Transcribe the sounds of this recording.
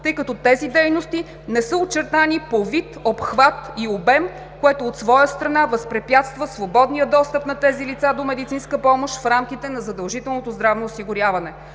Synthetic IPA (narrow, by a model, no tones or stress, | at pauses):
t̪ɤjkɐt̪ɔt̪ɛzid̪ɛjnost̪i | nɛsəot͡ʃɛɾt̪anipovit̪opxvat̪iobɛm | koɛt̪oːt̪svɔjəst̪ɾɐnavɐspɾɛpʲjat̪st̪vəsvobɔd̪nijəd̪ɔst̪əpnɐt̪ɛzilit̪sad̪omɛd̪it̪sinskəpɔmoʃfɾamk̟ʲit̪ɛnɐzɐd̪ɐlˠʒit̪ɛlˠnot̪ozd̪ɾavnoːsiɡʊɾʲjavɐnɛ